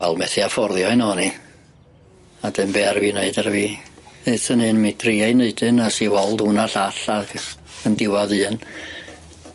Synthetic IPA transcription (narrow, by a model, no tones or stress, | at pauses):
vɛlˠmɛθiafɔrðjɔɨnɔni | ad̥ɨmbɛarvineɨdarviːɨθənhɨnmidʰriajneɨdɨnasiwɔlˠdunaɬaɬaɡ̥əndɪwɔðɨːn